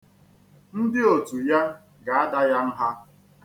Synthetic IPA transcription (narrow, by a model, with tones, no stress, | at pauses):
n̩˦dɪ˦o˨tu˨ja˦ | ɡa˨a˦da˦ja˦n̩˦ɦa˦